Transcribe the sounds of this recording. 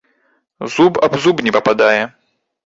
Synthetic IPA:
zubɐ̰bzubnʲɛpɐpad̪ajɛ

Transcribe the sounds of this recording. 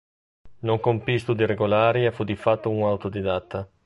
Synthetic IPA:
noŋkompist̪ud̪iɾeɡolaːɾjafud̪ifat̪ːouŋawt̪od̪id̪at̪ːa

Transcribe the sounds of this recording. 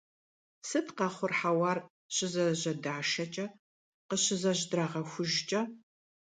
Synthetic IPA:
sɨtʰqɑχʷʊrħawɑːr | ɕʼɪzɐʑɐdaːʃɐt͡ʃʼɐ | qəɕɪzɐʑdraːʁɐxʷʊʒt͡ʃʼɐ

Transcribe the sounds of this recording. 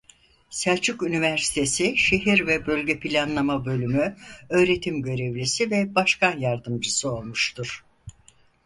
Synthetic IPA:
sæɾt͡ʃʰykynivæɾsi̥t̪ʰe̞siʃe̞ɦiɾvɛbø̞lʲɟɛpʰilʲanlˠamabø̞lʲymyø̞ːɾe̞t̪ʰimɟø̞ɾevlʲisivɛbaʃkanjaɾd̪ɯmd͡ʒɯsɯo̞lˠmuʃt̪ʰuɾ̥

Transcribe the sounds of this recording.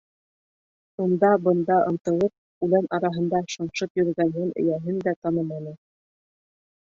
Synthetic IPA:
und̪ɑbɤ̆nd̪ɑʔɤ̆nt̪ɤ̆lˠɤp̚ | ʉlænʔɑɾɑɦɤ̆nd̪ɑʃɤ̆ɴʃɤpjɵ̆ɾ̆ɡænɦɘnɵ̰̆jæɦɘnd̪æt̪ɑnɤmɑnɤ

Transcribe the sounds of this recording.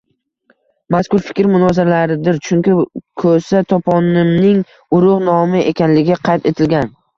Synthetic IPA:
maskʊɾfɪ̥kʲɾmʊnɒzɪɾalaɾɪd̪ɪɾt͡ʃʰʊŋkʲɪkʰɵsat̪ʰɒpʰɒnɪmnɪŋ | ʊɾʊʁnɒmɪʔekʲanlɪɡʲɪqʰɑjt̪ʰe̞t̪ʰɪlɡʲan

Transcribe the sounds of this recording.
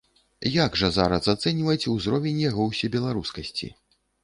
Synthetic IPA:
jaɡʐɐzaɾɐsat̪sɛnʲvɐjt͡sʲuwzɾɔvʲɛnʲjaɣɔwsʲɛbʲɛlˠaɾuskɐsʲt͡sʲḭ

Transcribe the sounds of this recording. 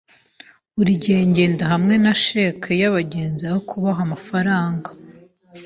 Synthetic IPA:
uɾiɟe̞ːɲɟe̞ːndaɦamŋe̞naʃekʰajaβaɟeːnzahokʰuβaɦamafaɾaːŋɡa

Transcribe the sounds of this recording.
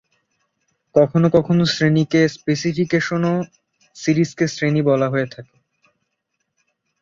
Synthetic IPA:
kɔkʰonokɔkʰonosɾenikespesifikeʃono | siɾiskesɾenibɔlaɦoet̪ʰake

